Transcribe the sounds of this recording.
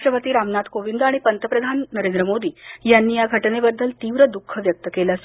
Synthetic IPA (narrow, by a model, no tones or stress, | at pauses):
ʈɾəpət̪iːɾamnat̪koʋind̪aɽ̃ipənt̪əpɾəd̪ʱanːəɾend̪ɾəmod̪iːjanːiːjaɡʱəʈnebəd̪ʱːəlt̪iːʋɾəd̪ukʰːəʋjək̚t̪əkelas